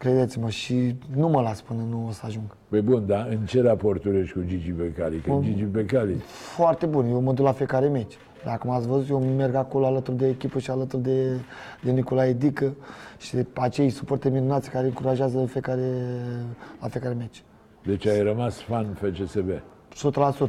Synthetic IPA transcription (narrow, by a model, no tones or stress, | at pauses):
kɾe̞d̪e̞t̪siməʃinuməlaspɨnənuosəaʒuŋɡ | pəjbund̪aɨnt͡ʃe̞ɾaport̪uɾeʃʲkud͡ʒid͡ʒipekalikd͡ʒid͡ʒipekalḭfoart̪e̞bunjewməd̪uklafijekaɾeme̞t͡ʃʲ | d̪akumat̪sʲvəzut̪jewme̞rɡako̞loalət̪urd̪eːkʲipəʃialət̪urd̪e̞d̪e̞nikolaed̪ikəʃiat͡ʃe̞jsupo̞rt̪eminunat̪sʲkaɾeɨŋkuɾaʒazəfijekaɾe | lafijekaɾeme̞t͡ʃʲ | d̪e̞t͡ʃʲajrəmasfanfet͡ʃeseve | sot̪lasut̪